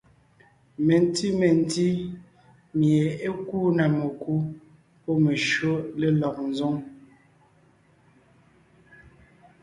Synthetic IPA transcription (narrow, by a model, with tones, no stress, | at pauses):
me˨n˦ti˦me˨n̩˦ti˦ | mje˨e˦kuː˦na˨me˨ku˦ | po˦me˨ʃo˦le˦lɔ˨k̚n̩˨zɔ˦ŋ